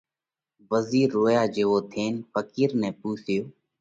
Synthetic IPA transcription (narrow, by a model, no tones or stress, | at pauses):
ʋəziːɾːoːjaːd͡ʒeːʋoːt̪ʰeːnfəkiːɾnɛ̃ːpuːsɪjoː